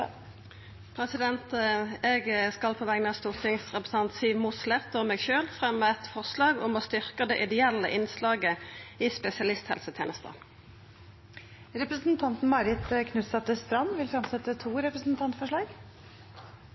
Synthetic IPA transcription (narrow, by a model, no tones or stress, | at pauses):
pʰɾɛsɪd̪ɛnt̪ɛɡskɑlpʰoːʋæːɡnəɑst̪uːʁt̪ʰɪŋsʁɛpɾəs̩ɑnt̪siːʋmʊslɛʁt̪ɔmɛːɡʃøːlfʁɛmːəɛt̪fɔʁslɑːɡʊmost̪ʏʁkəd̪ɛʔɪd̪ɛɛlːə̰ʔɪnslɑːɡəispɛsɪɑlɪst̪hɛ̰lsət̪ʰḛːnəst̪ə̰ | ɾɛpɾəsn̩t̪ʰɑnt̪n̩mɑɾɪt̪kʰnʉt̪sɑt̪ːəst̪ɾɑnːʋɪlfɾɑmsɛt̪ːət̪ʰuːɾɛpɾəsn̩t̪ʰɑnt̪fɔʂɭɑːɡ